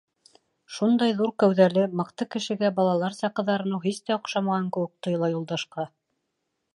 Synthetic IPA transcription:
ʃund̪ɑjðuɾkæwðælɘmɤqt̪ɤkɘ̆ʃɘ̆ɡæbɑlˠɑlˠɑɾsɑqɤ̆ðɑɾɤ̆nɤwɦist̪æŏqʃɑmɑʁɑŋkɘ̆wɘk̚t̪ɤ̆jɤ̆lˠɑjulˠd̪ɑʃqɑ

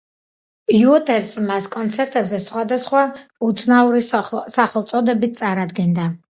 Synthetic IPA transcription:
juɔt̪ʰʼɛɾsmaskʼɔnt̪sʰɛɾt̪ʼɛbzɛsχwad̪asχwaut̪sʰnauɾisaχɛlˠt̪sʼɔd̪ɛbit̪̚ʰt̪sʼaɾad̪ɡɛnd̪a

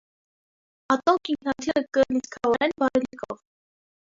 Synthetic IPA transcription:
ɑt̪ɔkiŋkʰnɑt̪ʰiɾəkənit͡skʰɑvɑɾɛnbɑɾɛlikʰɔv

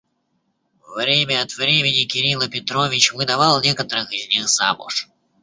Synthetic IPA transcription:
vɾʲemʲəɐt̪vɾʲemʲɪnʲɪkʲɪɾʲilˠpʲɪt̪ɾovʲɪt͡ɕvɨd̪ɐvɑlˠnʲekət̪əɾɨxɪzʲnʲixza̰mʊ̰ʂ

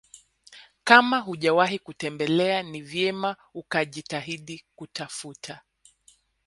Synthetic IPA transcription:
kamaɦuʄawaɦikutɛmbɛlɛanivjɛma | ukaʄitaɦiɗikutafutʰa

